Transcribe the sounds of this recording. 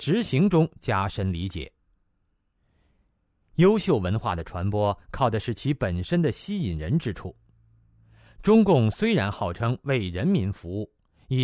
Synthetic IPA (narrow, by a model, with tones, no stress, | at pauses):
ʈ͡ʂɻ̩˧˥ɕi˧˥ŋʈ͡ʂʊ˥ŋt͡ɕja˥ʂə˥nli˧˥t͡ɕjɛ̰˨˩˦ | jo˥ʊɕjo˥˩ʊwə˧˥nxwa̰˥˩d̪ə˩ʈ͡ʂʰwa˧˥npwɔ˥kʰɑ˥˩ʊʈ͡ʂə˩ʂɻ̩˥˩t͡ɕʰi˧˥pə˨˩nʂə˥nd̪ə˨ɕi˥i˨˩nɻə˧˥nʈ͡ʂɻ̩˥ʈ͡ʂʰu˥˩ | ʈ͡ʂʊ˥ŋkʊ˥˧ŋswe˥ɪɻa˧˥nxɑ˥˩ʊʈ͡ʂʰɤ˥ŋwe˥˩ɪɻə˧˥nmi˧˥nfu˧˥u˥˩ | i˨˩